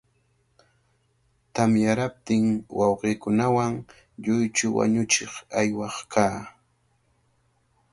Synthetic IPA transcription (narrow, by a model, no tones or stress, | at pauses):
t̪amjaɾap̚t̪ɪŋwɑwɢiːkʊnawaŋ | ʎʊjt͡ʃʊwa̰ɲʊt͡ʃɪχajwɑχkʰaː